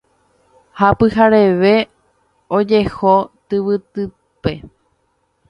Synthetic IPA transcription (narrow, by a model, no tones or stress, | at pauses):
hapɨhaɾeʋe̞ | od͡ʒe̞hot̪ɨʋɨt̪ɨ | pe̞